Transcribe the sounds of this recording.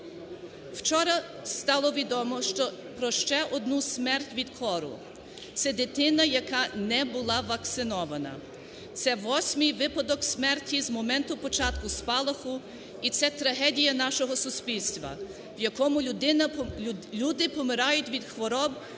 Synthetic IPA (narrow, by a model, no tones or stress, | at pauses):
wt͡ʃɔɾɐ | st̪ɑlˠɔʋʲid̪ɔmɔʃt͡ʃɔ | pɾɔʃt͡ʃɛʔɔd̪nusʲmɛrtʲʋʲid̪kʰɔɾʊ̰ | t̪sɛd̪ɪt̪ɪnɐjɐkɑnɛbʊlˠɑʋɐkt̪sɪnɔʋɐnɐ̰ | t̪sɛʋɔsʲmɨjʋɪpɐd̪ɔksʲmɛrtʲizmɔmɛnt̪ʊpɔt͡ʃɑt̪kʊspɑlˠɐxʊ | it̪sɛt̪ɾɐɦɛdʲijɐnɑʃɔɦɔsʊsʲpʲilʲsʲt̪ʋɐ̰ | wjɐkɔmʊd̪ɪnɐlʲud̪ɪpɔmɪɾɑjʊtʲʋʲid̪xʋɔɾɔb